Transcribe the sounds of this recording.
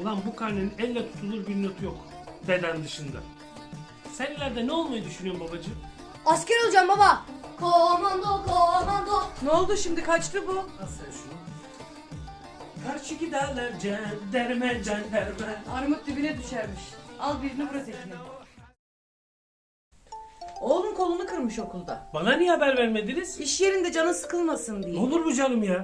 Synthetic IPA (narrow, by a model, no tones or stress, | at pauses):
lˠambukʰaɾneninɛlʲːɛt̪ʰu̥t̪ʰulˠuɾbiɾnot̪ʰujok | d̪e̞d̪ænd̪ɯʃɯnd̪a̰ | sænilʲæɾd̪ɛnɛolˠmajɯd̪yʃynyjombabad͡ʒɯ | askʲɛɾo̞lˠd͡ʒambabakʰoɾmand̪okʰoɾmand̪ono̞lˠd̪uʃimd̪ikʰat͡ʃt̪ʰɯbusʃ | kʰaɾt͡ʃʰycʲid̪aːlˠaɾd͡ʒɛd̪æɾmɛd͡ʒand̪æɾmɛaɾɯmɯt̪̚d̪ibinɛd̪yʃæɾmiʃalˠbiɾinɛbɯɾazet̪ʲmʲi | o̞ːlˠunkʰo̞lˠunɯkʰɯɾmɯʃo̞kʰulˠd̪abananihabæɾvæɾmed̪iniz̥iʃje̞ɾind̪ɛd͡ʒanɯnsɯ̥kʰɯlˠmasɯnd̪ijolˠuɾbud͡ʒanɯmja